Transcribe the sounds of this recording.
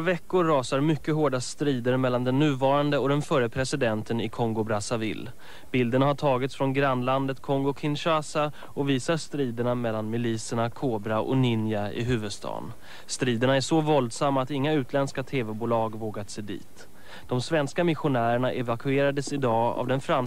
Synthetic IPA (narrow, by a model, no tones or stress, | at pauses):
ɾavɛkːʊɾːɑːsaɾmʏkːəɦoːɖast̪ɾiːd̪əɾmɛlːand̪ɛnːʉ̟ːvɑːɾand̪əɔd̪ɛnfœɾəpʰɾɛsɪd̪ɛnt̪ənɪkʰɔŋɡʊbɾasavɪ̰l | b̥ɪld̪əɳaɦaʈʰɑːɡɪt̪sfɾɔnɡɾanːland̪ət̪kʰɔŋɡʊkʰɪnɕasa | ɔviːsaʂt̪ɾiːd̪əɳamɛlːanmɪliːsəɳakʰoːbɾaʔɔ̰nɪnjaɪ̰ɦʉ̟ːvəd̪st̪ʰɑ̰ːn | st̪ɾiːd̪əɳaæʂɔvɔld̪samːaːt̪ɪŋːaʉ̟ːt̪ʰlɛnskat̪ʰeːvɛbuːlɑːɡvoːɡat̪seːd̪ḭːt̪ | d̪̥ɔmsvɛnskamɪɧʊnæːɾəɳaʔɛvakʰɵeːɾad̪əsɪd̪ɑːa̰vd̪ɛnfɾam